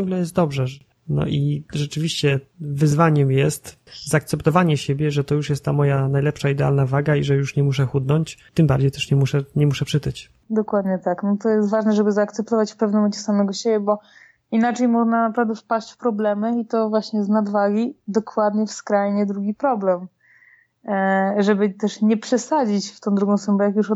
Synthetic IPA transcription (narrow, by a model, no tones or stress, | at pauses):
ɡlɛjɛst̪d̪ɔbʐɛ | nɔ̰ʔiʐɛt͡ʂɘvʲiɕt͡ɕɛvɘzvaɲɛmjɛst̪ | zaːk̚t̪sɛpt̪ɔvaɲɛɕebʲjɛʐɛt̪ɔjuʂjɛst̪t̪ːamɔjanajlɛpʂaid̪ɛa̰lnavaɡaiʐɛjuʂɲɛmuʂɛxud̪nɔɲt͡ɕt̪ɘmbaɾd͡ʑejt̪ɛʂɲɛmuʂɛɲɛmuʂɛpʂɘt̪ɘt͡ɕ | d̪ɔkwad̪ɲɛt̪aknɔt̪ɔjɛst̪vaʐnɛʐɛbɘzaːkt̪sɛp̚t̪ɔvat͡ɕfpɛvnmɛnt͡ɕɛsamɛɡɔɕebʲjɛbɔ | inat͡ʂɛjmɔʐnanapɾavd̪ɛfpaɕt͡ɕfpɾɔblɛmɛit̪ɔvwaɕɲɛznad̪vaɡʲid̪ɔkwad̪ɲɛfskɾajɲɛd̪ɾuɡʲipɾɔblɛm | ʐɛbɘt̪ɛʂɲɛpʂɛsad͡ʑit͡ɕft̪ɔ̃w̃d̪ɾuɡɔ̃w̃sumbɛjakjuʂ